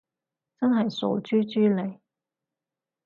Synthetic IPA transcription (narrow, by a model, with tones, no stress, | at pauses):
t͡sɐ˥nɦɐ˨jso̰˨˧wt͡ʃyː˥t͡ʃyː˥le˨˧j